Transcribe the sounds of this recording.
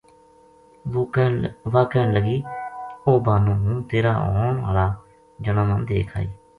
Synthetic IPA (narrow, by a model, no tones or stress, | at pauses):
ʋaːkɛːləɡiːoːbaːnũːnũːt̪eːɾaːʔɔːna̰ːlaː | d͡ʒənãːmə̃nd̪ḛːkʰa̰ːḭː